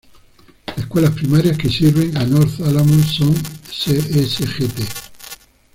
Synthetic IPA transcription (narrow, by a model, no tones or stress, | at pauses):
leskwelaspɾimaɾjaskesiɾβeŋanoɾθalamonsoŋseesexet̪e